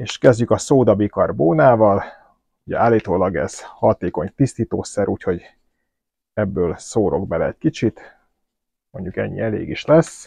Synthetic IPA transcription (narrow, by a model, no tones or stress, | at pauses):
eːʃkɛzɟykɒsoːd̪ɒbikɒrboːnaːvɒl | uɟɛ̰aːlːiːt̪oːlɒɡɛ̰z̥hɒt̪eːko̞ɲt̪ist̪iːt̪oːsɛɾʔuːcho̞ɟ | ɛbːøːlsoːɾʔo̞̰ɡ̚bɛlɛɛc̚kit͡ʃit̪ | mo̞̰ɲɟukɛ̰ɲːḭɛlḛːɡiʃlɛs